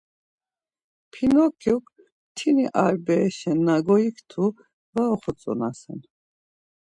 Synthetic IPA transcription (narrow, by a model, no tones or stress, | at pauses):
pʰinɔkʰjuk | t̪ʰiniʔaɾbɛːʃɛnːaɡɔikt̪ʰu | vaɔχɔt͡sʼɔ̰nasɛn